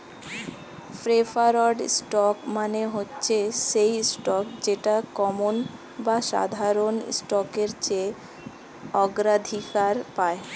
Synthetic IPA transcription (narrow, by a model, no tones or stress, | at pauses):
fɾefaɾoɖ̰sʈɔkmaneɦotːɕʰeʃejsʈɔk̚d͡ʑeʈakɔmon | baʃa̰d̪ʱaɾonsʈɔkeɾt͡ɕe | ɔɡɾad̪ʱikaɾpae